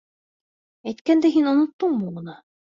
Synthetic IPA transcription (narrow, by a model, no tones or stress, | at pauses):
æjt̪kænd̪æɦinŏnŏt̪ːɤɴbuʁɤ̆nɑ